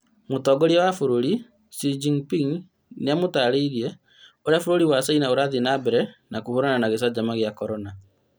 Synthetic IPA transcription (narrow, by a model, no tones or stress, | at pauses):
motɔːɡɔɾiawafoɾoɾi | sid͡ʒiŋpiŋ | neamotaɾeiɾiɛ | oɾeafoɾoɾiwasainaoɾaðinabɛɾɛnakohoɾananaɣesad͡ʒamaɣjakɔɾɔna